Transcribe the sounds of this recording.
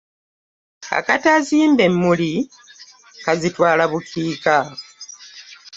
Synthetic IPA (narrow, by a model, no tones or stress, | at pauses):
a̰kataziːmbe̞mːuli | kazitwaːlaβukʰiːka